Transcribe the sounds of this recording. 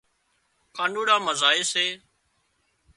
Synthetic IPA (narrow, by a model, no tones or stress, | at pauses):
kaːɳɖuːɽãːməzaːeːseː